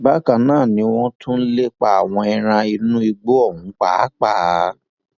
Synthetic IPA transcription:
ba˦kã˨nãː˦˨nĩ˨˧˦w̃ɔ̃˦tʰũ˦n̩˦le˦k͡pa˧˨a˨w̃ɔ̃˧ɛ˧ɾ̃ã˧i˧nũ˦i˧ɡ͡bo˦ɔ˦˨hũ˨˦k͡pa˦˨˦k͡pa˦˨˦

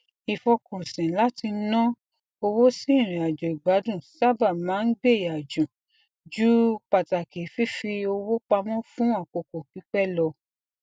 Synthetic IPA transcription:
i˨fɔ˧kɔ̃˨sĩ˨la˦ti˧˦nɔ̃˦ | o˧wo˦si˦˨ɾ̃ĩ˨a˨d͡ʒo˨i˨ɡ͡ba˨˦dũ˦˨sa˦ba˦˨mãː˨˦n̩˦ɡ͡be˦˨a˨d͡ʒũ˨ | d͡ʒu˦k͡pa˨ta˨ke˨˦fi˦fi˧o˧wo˦k͡pa˧mɔ̃˦fũ˦a˦˨ko˨ko˨k͡pi˨˦k͡pɛ˦˨lɔ˧

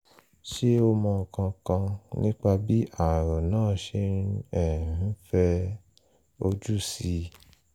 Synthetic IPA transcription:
ʃe˦o˧mɔ̃˧˨kã˧kã˧nĩ˦k͡pa˧bi˨˦ʔa˦˨ɾɔ˨nãː˦˨ʃẽ˧˦ɛ̃˨˦fɛ˧ | o˧d͡ʒu˦˨si˧

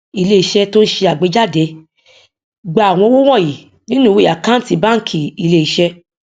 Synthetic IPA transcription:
i˧le˧i˧ʃɛ˧to˦ʃe˧a˨ɡ͡be˨˧d͡ʒa˦˨de˨˦ | ɡ͡ba˨a˨w̃ɔ̃˧˦wo˦w̃ɔ̃˦˨ji˨ | nĩ˦nũ˦˨we˦˨a˨kã˦n̩˦ti˧ba˦kʰi˨i˨˧˨le˦i˨ʃɛ˧

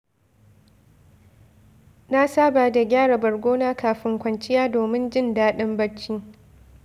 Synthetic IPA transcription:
na˦saː˦baː˨da˨ɡʲaː˦ɽa˨bɐ˨rɡʷoː˦naː˦kaː˨ɸɪ˦ŋkʷɐ˨nt͡ʃɪ˦jaː˦doː˨mɪ˦nd͡ʒɪ˦ndaː˦ɗɪ˦mbɐ˦t͡ʃːiː˦

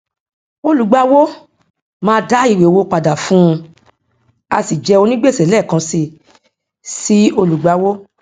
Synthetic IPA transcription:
o˧lu˨ɡ͡ba˧wo˦ | mãː˧da˦i˨we˨wo˧˦k͡pa˨da˨fũ˦˧ | a̰˧si˨d͡ʒɛ˧o˧nĩ˦ɡ͡be˦˨sɛ˨lɛ˦˨kã˧si˧˨ | si˦o˧lu˨ɡ͡ba˧˦wo˦

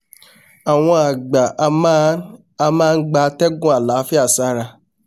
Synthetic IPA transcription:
a˨w̃ɔ̃˧a˨ɡ͡ba˨˧ma˦ | a˧mãː˦˧n̩˦ɡ͡ba˧tɛ˦ɡũ˦a˨la˨˦fi˦a˦˨sa˦ɾa˧

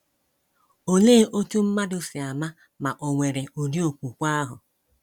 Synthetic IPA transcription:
o˦leː˦ʔo˦tu˦m̩˦ma˦dʊ˦sɪ˨a˨ma˦ | ma˨ʔo˨ŋʷe˨ɾe˨o˨di˦o˦˨kʷu˨kʷa˦ɦʊ˨

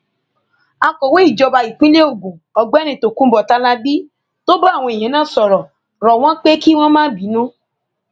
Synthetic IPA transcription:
a˧kɔ˨we˦i˦˨d͡ʒɔ˧ba˧i˨k͡pĩ˦le˦o˨ɡũ˨ɔ˨ɡ͡bɛ˦nĩ˧˨to˨kũ˦bɔ˨ta˧˦la˦bi˦ | to˦ba˦a˨w̃ɔ̃˧i˨ɦẽ˨˦nãː˦˨sɔ˨ɾɔ˨ | ɾɔ˨w̃ɔ̃˦k͡pe˦ki˦w̃ɔ̃˦mãː˦bi˨˦nũ˦

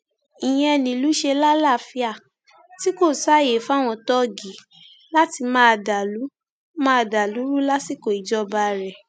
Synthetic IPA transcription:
i˨j̃ɛ̃˦˧ɛ˧nĩ˨lu˨˦ʃe˧la˦la˦˨fi˧a˦˨ | ti˦ko˦˨sa˦˨je˨fa˦˨w̃ɔ̃˧tɔ˦ɡi˨˦ | la˦ti˧mãː˦˧˨da˨lu˨˦ | mã˦˧˨da˨lu˨˦ɾu˦la˦si˦˨ko˨i˨d͡ʒɔ˦˧ba˧ɾɛ˨

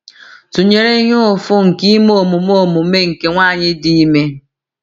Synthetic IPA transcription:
tu˨ɲe˨ɾe˦ɦo˦ʊ˨fʊ˦ŋ̩˨ki˦moo˨mu˨mo˦˨mu˨me˦ŋ̩˨ke˨ŋʷaː˦˨ɲɪ˦di˦i˦me˦

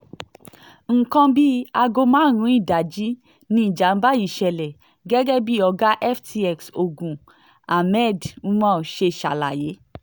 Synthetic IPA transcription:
ŋ̩˨kã˧bi˦a˧ɡo˧mãː˦ɾ̃ũ˧˦i˦˨da˨d͡ʒi˨˦ | nĩ˧i˦˨d͡ʒa˨˦n̩˦ba˦ji˦˨ʃɛ˨lɛ˨ | ɡɛ˦ɡɛ˦bi˦ɔ˧ɡa˦ʔɛ˦ftʰi˧ɛ˧˨kso˨ɡũ˨ | a˨mɛ˦˨dũ˦mã˦˨ʃe˧˨ʃa̰˨la̰˨je˨˦

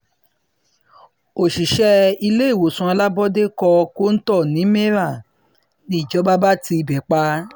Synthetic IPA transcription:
o˨ʃi˨ʃɛ˦i˧le˦i˦˨wo˨sũ˧˦a˧la˦bɔ˦de˦kɔ˧ko˦n̩˦tɔ˦˨nĩ˨˦me˦ɾa˦˨ | nĩ˦˨d͡ʒɔ˨˦ba˦ba˦ti˧i˧˨bɛ˨k͡pa˧

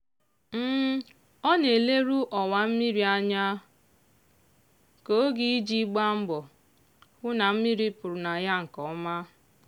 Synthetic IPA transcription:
m̩˦ | ɔ˦ne˨le˦ɾu˦ʔɔ˨wa˨m̩˦mi˦ɾi˨a˦ɲa˦ | ko˨˦ɡi˦i˦d͡ʒi˦ɡ͡ba˦m̩˦ɡ͡bɔ˨ | kʊ˦na˨m̩˦mi˦ɾi˦pʊ˨ɾʊ˨na˨ja˦ŋ̩˨kɔ˨˦ma˦

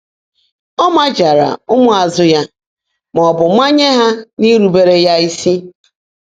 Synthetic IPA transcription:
ɔ˦ma˦d͡ʒa˨ɾa̰˨ʊ˦mʊ˦a˨zʊ˦ja˦ | m˨ɔ˨bʊ˨ma˦ɲe˦ɦa˦ni˦ɾu˨be˦ɾe˦ja˦i˦si˦

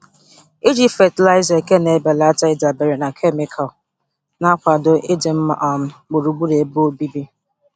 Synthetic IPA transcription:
i˦d͡ʒi˦fe˨tla˦ɪ˦ze˨ke˦ne˨˦be˨la˦ta˦ɪ˦da˨be˨ɾe˨na˨kʰe˦mɪ˨kʰa˨l | na˦kʷa˨dʊ˨ʔe˦de˨m̩˦ma̰˦ʔɔ˨m̩˦ɡ͡bo˨ɾu˨ɡ͡bu˦ɾe˨bo˦bi˦bi˦

